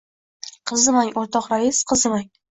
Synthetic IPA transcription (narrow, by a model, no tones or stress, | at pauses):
qʰɨzɨmaŋʲoɾt̪ʰɒqɾaisqʰɨzɨmaŋ